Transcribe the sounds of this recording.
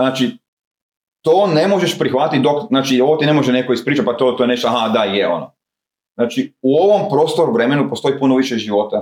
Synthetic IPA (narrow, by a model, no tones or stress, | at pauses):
znaːt͡ʃi | t̪oːnemo̞ʒe̞ʃpɾixʋat̪it̪̚ʲd̪ok̪znaːt͡ʃiot̪ine̞moʒene̞koispɾiːt͡ʃat̪pat̪ot̪oeneʃt̪oaɦad̪ajeo̞̰no | znaːt͡ʃiuo̞ʋompɾo̞ːst̪oɾuʋɾemenupost̪o̞ipunoʋiʃeʒiʋo̞t̪a